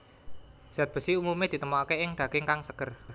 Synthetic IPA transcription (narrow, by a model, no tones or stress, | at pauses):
z̥at̪̚b̥ə̤siumumed̪̥i̤t̪əmɔakeɪŋɖ̪̥aɡ̥ɪŋkaŋsəɡ̥ə̤r